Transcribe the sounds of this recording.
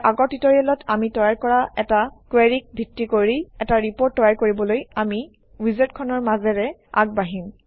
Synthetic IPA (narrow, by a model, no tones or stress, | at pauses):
aɡɔɹtitɔɹialɔtʰamitɔjaɹkɔɹaɛtakweɹik̚bʱitːikoɹiɛtaɹipoɹtːɔjaɹkoɹibɔlojami | wizetkʰɔnɔɹmazɛɹɛa̰ɡ̚baɦim